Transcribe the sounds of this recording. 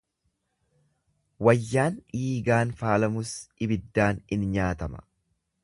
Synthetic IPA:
wɐjːaːniːɡaːnfaːlɐmʊsɪbɪd̪ːaːnɪnɲaːt̪ɐmɐ̥̰

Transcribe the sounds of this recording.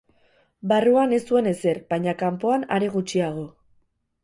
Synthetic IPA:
baruane̞st̪ue̞ne̞se̞ɾbajɲakampo̞ana̰ɾe̞ɣ̞ut͡ʃiaɣ̞o̞

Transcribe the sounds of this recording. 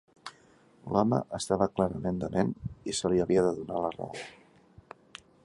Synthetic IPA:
lɔmə̰ʔəst̪aβəklaɾəmend̪əmʔenisəliəβiəðəðunalərə̰o̰

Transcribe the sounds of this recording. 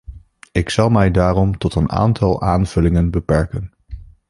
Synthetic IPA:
ɪksɑlˠmɛjdaːrɔmtɔtəna̰ːntɑlˠaːnv̥ɵlɪŋənbəpɛɹkən

